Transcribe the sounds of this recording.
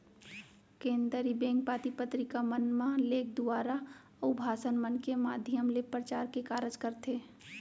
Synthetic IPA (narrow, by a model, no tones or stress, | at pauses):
kẽːnd̪əɾibẽːŋk̚paːt̪ipət̪ɾikamənmãleːk̚ʰd̪ʊaːɾa | ubʱaːsənmənkemaːd̪ʱiəmlepɾət͡ʃaːɾkekaːɾəd͡ʒkəɾt̪eː